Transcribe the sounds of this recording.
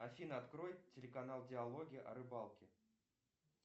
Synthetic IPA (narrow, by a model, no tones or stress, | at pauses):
ɐfʲinəɐt̪kɾojɪtʲtʲːɪlʲɪkɐnalˠdʲɪɐlˠoɡʲɪʔɐ̰ɾɨbalˠkʲɪ